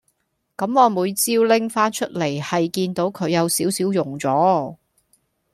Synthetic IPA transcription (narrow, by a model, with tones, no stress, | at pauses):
kɐ˨˥mːɔː˨˧muː˨˧jt͡siː˥wlɪ˥ŋfaː˥nt͡ʃʰɵ˥t̚le˨˩jhɐ˨jkiː˧nt̪o˨˥wkʰɵ˨˧ɥjɐ˨˧wsiː˨˥wsiː˨˥wjʊ˨˩ŋt͡sɔː˨˥